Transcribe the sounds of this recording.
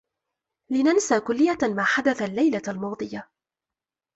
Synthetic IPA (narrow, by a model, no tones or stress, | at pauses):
lɪnansaːkʊlːɪjːamaːħad̪aθalːajlaalmɑːd̪ˤɨja